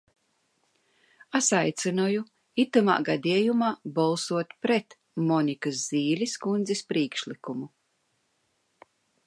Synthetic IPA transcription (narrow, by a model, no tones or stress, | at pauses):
asajt̪sinɔju | it̪uma̰ːɡad̪ʲiɛjumaːbalˠsuɔt̪pɾɛt̪ | mɔnikazziːlʲiskund̪zispɾiːkʃlʲˠikumu